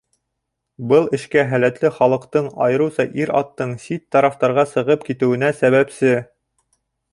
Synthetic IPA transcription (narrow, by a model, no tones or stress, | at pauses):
bɤlˠɘ̆ʃkæɦælæt̪lɘχɑlˠɤ̆qt̪ɤɴɑjɤ̆ɾɤ̆wsɑʔiɾɑ̰t̪ːɤɴsit̪ːɑɾɑft̪ɑɾʁɑsɤ̆ʁɤpkit̪ɘ̆wɘ̆næsæβæpsɘ